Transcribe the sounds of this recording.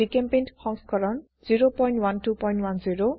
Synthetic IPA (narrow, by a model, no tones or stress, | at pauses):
ikempenʈkʰɔŋskɔɾɔn | d͡ziɾopɔjnʈwanʈupɔjnʈwand͡ziɾo